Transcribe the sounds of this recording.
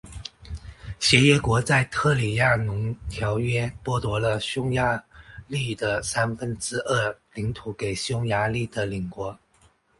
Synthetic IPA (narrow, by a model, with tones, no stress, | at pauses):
ɕjɛ˧˥jɛ˧˥kwɔ˧˥t͡sa˥˧ɪt̪ʰɤ˥˩li˨˩ja˥˩nʊ˧˥ŋt̪ʰjɑ˧˥ʊɥɛ˥pwɔ˥t̪wɔ˧˥lə˧ɕjʊ˥ŋja˧˥li˥˩d̪ə˩sa˥nfə˥nʈ͡ʂɻ̩˥ʔə˥˩li˧˥ŋt̪ʰu˧˥ke˨˩ɪɕjʊ˥ŋja˧˥li˥˩d̪̥ə˩li˨˩ŋkwɔ˧˥